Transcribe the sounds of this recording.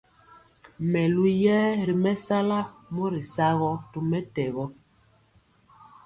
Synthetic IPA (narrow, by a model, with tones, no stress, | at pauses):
mɛ˨lu˦jɛː˦ɾi˨mɛ˦sa˦la˦mo˦ɾi˨sa˦ɣɔ˦tu˦mɛ˦tɛ˨ɣɔ˦